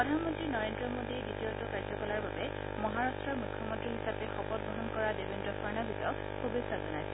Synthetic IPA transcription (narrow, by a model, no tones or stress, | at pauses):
ɹɔdʱanmɔntɹinɔɹendɹɔmodieditiotukaɹdzɔkɔlaɹbabɛ | mɔɦaɹastɹɔɹmukʰːjɔmɔ̃ntɹiɦisapɛxɔpɔd̚bɔɦɔnkɔɹadebendɹɔkʰɔɹnabizɔk | xubisazɔnajsɛ